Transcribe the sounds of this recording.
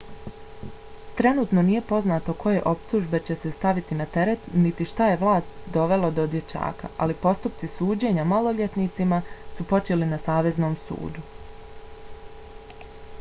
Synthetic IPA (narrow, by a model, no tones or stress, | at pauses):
t̪ɾe̞nuːt̪no̞niːje̞po̞znaːt̪o̞kʰo̞je̞ʔo̞pt̪uːʒbe̞t͡ɕe̞se̞st̪aʋit̪inat̪e̞ɾe̞t̪nit̪iʃt̪aje̞ʋlˠaːst̪d̪o̞ʋe̞lod̪od̪je̞t͡ʃa̰ːka̰ʔalipo̞st̪upt̪sisuːd͡ʑe̞ɲamalo̞ʎʲe̞t̪niːt̪simasupo̞t͡ʃe̞linasaːʋe̞zno̞ːmsṵːd̪u